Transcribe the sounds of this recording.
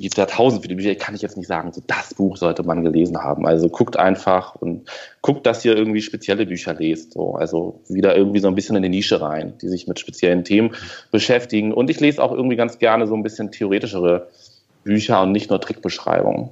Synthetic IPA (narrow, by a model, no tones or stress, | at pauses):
ɡ̥iːpstjaːtʰaʊzn̩tfiːləbyːçɐɪçkʰanɪçjɛt͡stnɪçtz̥a̰ːɡŋ̩zoːd̥asb̥uːxz̥ɔltəmanɡəleːzn̩ha̰ːbm̩ʔa̰lzokʰʊktʔa̰ɪnfaχʊntɡ̥ʰʊk̚t̚d̥asʔiːɐɪɐɡŋ̩tv̥iːʃpet͡sjɛləbyːçɐleːstz̥o̰ːʔa̰lzo̰viːdɐʔɪɐɡŋ̩tv̥iːzoːnbɪsçənɪndiːniːʃəʁa̰ɪnd̥ḭːzɪçmɪtʃpet͡sjɛləntʰeːmənb̥əʃɛftɪɡŋ̩ʔʊntɪçleːzəaʊxʔɪ̰ɐɡŋ̩tv̥iːɡant͡sɡ̥ɛɐnəzoːnbɪsçəntʰeoʁ̞eːtɪʃəʁ̞ə | b̥yːçɐʊntnɪçtnuːɐtʁ̥ɪk̚b̥əʃʁ̥a̰ɪbʊ̰ŋə̰n